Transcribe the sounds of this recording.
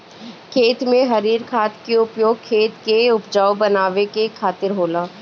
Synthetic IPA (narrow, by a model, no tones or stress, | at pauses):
kʰeːt̪mẽɦɐɾiːɾkʰaːt̪keʊpjoːɡ̚kʰːeːt̪keʊpd͡ʒaːobɐnaːʋekekʰaːt̪ɪɾɦoːlãː